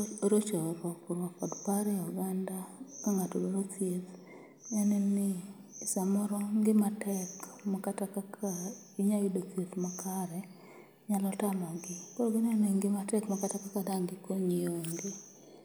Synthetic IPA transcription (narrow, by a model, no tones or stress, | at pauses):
ɾot͡ʃɔɾwɔkɾwɔfɔdpaɾɛuɡandakaŋatololotjet | ɛnɛnɪsamɔɾɔŋɡɪmatɛkmɔkatakaka | iɲawɪdot͡sjetmakʰaɾɛ | ɲalɔtamɔɡɪkɔɾoɡɪnɛneŋɡɪmatɛkmɔkatakakadaŋɡɪkoɲioŋɡɪ